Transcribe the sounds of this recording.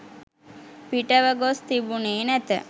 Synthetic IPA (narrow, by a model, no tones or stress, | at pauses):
piʈəʋəɡost̪ibuneːnæt̪ə̰